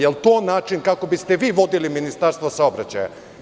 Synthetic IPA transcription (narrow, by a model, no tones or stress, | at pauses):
jelˠt̪oːnaːt͡ʃinkako̞bist̪eʋiːʋo̞d̪iliminist̪aɾst̪vosaobɾat͡ɕaja̰